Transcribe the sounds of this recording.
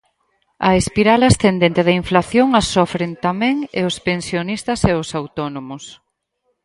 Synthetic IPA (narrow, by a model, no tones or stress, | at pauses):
ɐ̰espiɾalasθend̪ent̪ɪð̞ɐiɱflaθjoŋasɔfɾent̪amɛ̃ŋḛʊspensjonist̪ɐseʊsawt̪ɔnomʊs